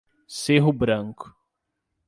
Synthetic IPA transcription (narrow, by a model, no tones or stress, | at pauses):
seɦʊbɾɐ̃ŋkʊ̥